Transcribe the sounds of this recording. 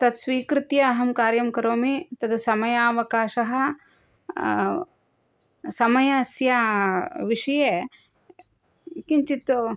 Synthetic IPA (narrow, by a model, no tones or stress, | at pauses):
t̪ɐt̪sʋiːkɾut̪jɐːɦɐmkaːɾjɐmkɐɾoːmit̪ɐt̪sɐmɐjaːʋɐkaːʃɐɦɐ̆ | sɐmɐjɐsjaːʋiʂɐjeː | kint͡ʃit̪u